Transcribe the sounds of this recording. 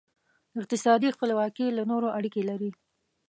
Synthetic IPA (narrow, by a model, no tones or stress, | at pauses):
ɪq̚t̪ɪsɑd̪ixpəlewɑkelanoɾoʔaɽikelaɾi